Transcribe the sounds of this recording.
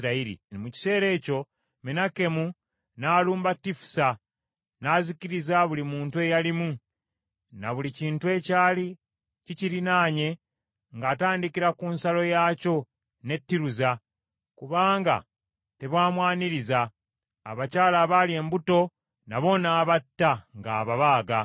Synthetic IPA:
ɾaiɾḭmuci̥se̞ːɾe̞ːco̞ | menake̞mu | naːluːmbatːifu̥sa | naːziciɾizaβulimuːntue̞jalimu | naβuliciːntue̞ːcaːli | ciciɾinaːɲe̞ | ŋɡaːtaːndikiɾakunsalo̞jaːco̞ | ne̞tːiɾuza | kuβaːŋɡa̰ | te̞βwaːmwaːniɾiza̰ː | βacaːlaβalie̞ːmbuto̞ | naβo̞naːβatːaŋɡa̰ːβaβaːɡa

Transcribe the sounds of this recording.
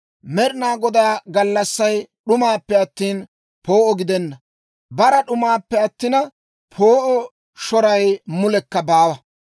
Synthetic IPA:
mɛɾɪnaːɡɔd̪aːɡɐlːɐsːɐjɗʊmaːpːɛɐt̪ːiːn | po̞ːʔɔɡɪd̪ɛnːɐ | bɐɾɐɗʊmaːpːɛɐt̪ːɪnɐ | pʰo̞ːʔɔ | ʃɔɾɐjmʊlɛkːɐbaːwɐ

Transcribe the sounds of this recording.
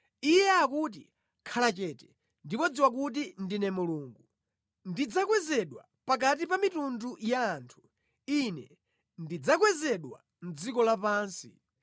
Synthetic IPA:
ijɛakut̬i | kʰalat͡ʃɛːtɛ̥ | ndipɔd͡ziwak̬ut̬indinɛmuluːŋɡu | ndid͡zakwɛzɛɗwa | pak̬at̬ipamitundujaːntʰu̥ | inɛ | ndid͡zak̬wɛzɛɗwa̰ | n̩d͡zikɔlapaːnsi

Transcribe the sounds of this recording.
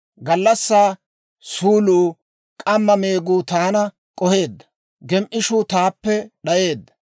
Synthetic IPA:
ɡɐlːɐsːaː | suːluː | kʼɐmːɐme̞ːɡuːt̪aːnɐ | kʼɔhe̞ːd̪ːɐ̥ | ɡɛmʔɪʃuːt̪aːpːɛɗɐje̞ːd̪ːɐ̥

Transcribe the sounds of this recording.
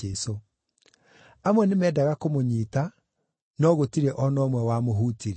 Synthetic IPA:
eso | amwɛnemɛːdaɣakomoɲiːta | nɔɣotiɾɛʔɔnɔmwɛwamoɦuːtiɾ

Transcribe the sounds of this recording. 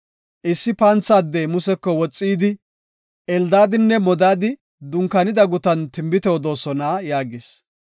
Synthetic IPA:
ʔɪsːɪpɐnt͡sːaːd̪ːɛmʊsɛkːɔwɔt͡sʼːiːd̪ɪ | ʔɛld̪aːd̪ɪnːɛmɔd̪aːd̪ɪ | d̪ʊŋkːɐnɪd̪ɐɡʊt̪ɐnt̪ɪmbɪt̪ɛɔd̪o̞ːsɔnaːjaːɡɪs

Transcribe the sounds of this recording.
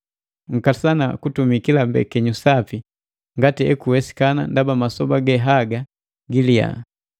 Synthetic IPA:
ŋ̩kasana̰kutumikilambɛ̰kɛɲusapi | ŋɡatiɛkuwɛsi̥kana̰ndabamasɔbaɡɛɦaɡa | ɡilija̰

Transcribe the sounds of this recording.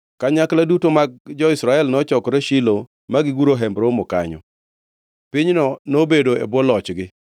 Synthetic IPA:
kaɲakladutomaɡ̚d͡ʒɔɪsɾaɛlnɔt͡ʃɔkɾeʃilo | maɡɪɡuɾoɦɛmbɾomɔka̰ɲɔ̰ | pɪɲnɔnobedoḛbɔlɔt͡ʃɡɪ

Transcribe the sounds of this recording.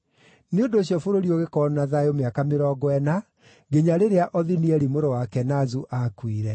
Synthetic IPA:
neondoːɕjɔfoɾoɾioɣekɔnaðaeomeakameɾɔɡwɛna | ɡeɲaɾeɾeaʔɔðiniɛɾimoɾowakɛnazuʔakwiɾɛ

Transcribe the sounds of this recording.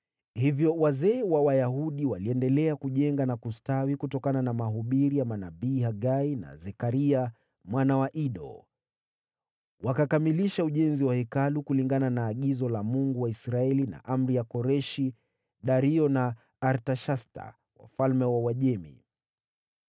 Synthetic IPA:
hivjɔwazɛːwawajaɦuɗiwaliɛndɛlɛakuʄɛŋɡanakustawikutɔkananamaɦuɓiɾijamanabiːhaɡaina̰zɛkaɾia | mwanawaʔiɗɔ̰ | wakakamiliʃauʄɛnziwahɛkalukuliŋɡananaːɠizɔlamuŋɡuwaisɾaɛlina̰ʔam̩ɾijakɔɾɛʃi | ɗaɾiɔnaː | ɾtaʃasta̰ | wa̰falmɛwawaʄɛmḭ

